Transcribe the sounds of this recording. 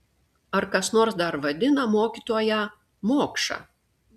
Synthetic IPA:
ɐɾkɐsnoːɾsd̪ɐɾʋɐd̪ʲɪnɐmoːkʲit̪oːjɛ | moːkʃɐ̰ː

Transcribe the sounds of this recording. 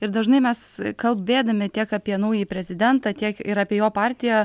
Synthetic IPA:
ɪɾd̪ɐʒnɐɪmʲɛskɐlˠbbʲeːd̪ɐmʲɪt̪ʲiɛkɑpʲiɛnɐʊjipʲɾʲɛzʲɪd̪ʲɛnt̪ɑt̪ʲiɛkɪɾɑːpʲiɛjoːpɑːɾʲt̪ʲɪjɛ

